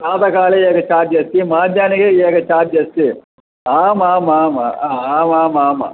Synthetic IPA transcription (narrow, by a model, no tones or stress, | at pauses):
saːt̪ɐkaːleeːkɐt͡ʃaːɾd͡ʒɐst̪imaːd̪ʱjaːniɡeeːɡɐt͡ʃaːɾd͡ʒɐst̪i | aːmaːmaːma̰aːmaːmaːma̰